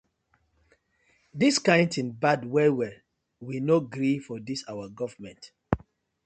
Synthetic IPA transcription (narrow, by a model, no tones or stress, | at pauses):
diskãɪ̃ntĩnbadwɛwɛ | winoɡɾifɔdisawaɡɔvəmɛ̃nt